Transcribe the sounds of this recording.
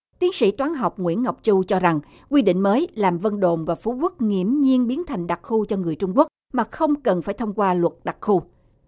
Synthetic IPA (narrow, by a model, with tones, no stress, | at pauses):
t̪i˨˦ənsḭ˧˥t̪waː˨˦nɦa˨˩wk͡p̚ŋwḭ˧˥ənŋa˨˩wk͡p̚t͡ɕu˧t͡ɕɔ˧za˨˩ŋ | kwi˧ɗḭ˧˨ŋ̟məː˨˦jlaː˨˩mvə˧nɗo̰˨nvaː˨˩fu˨˦kwt̚ŋḭ˧˩əmɲi˧ənɓi˨˦ənt̪ʰa˨˩jŋ̟ɗa˨˩k̚xu˧t͡ɕɔ˧ŋɨ˨˩əjt͡ɕʊ˧ŋ͡mku˦˥ək̚maː˨˩xə˧wŋ͡mkə˨˩nfaː˧˩jt̪ʰə˧ŋ͡mkwaː˧lwə˨˩t̚ɗa˨˩t̚xu˧